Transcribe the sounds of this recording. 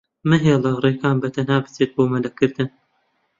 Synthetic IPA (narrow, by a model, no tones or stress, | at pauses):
mɨɦelɑreːkaːnbɐt̪ʰɐnhaːbɨ̥t͡seːt̪̚boːmɐlɐkɨɾd̪ɨn